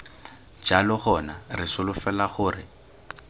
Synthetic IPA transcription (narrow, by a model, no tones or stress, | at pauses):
d͡ʒalɔχɔnarɪsʊlʊfɛlaχʊːrɪ̰